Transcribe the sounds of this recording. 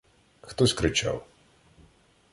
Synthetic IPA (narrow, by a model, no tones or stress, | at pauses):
xt̪ɔsʲkɾɪt͡ʃa̰w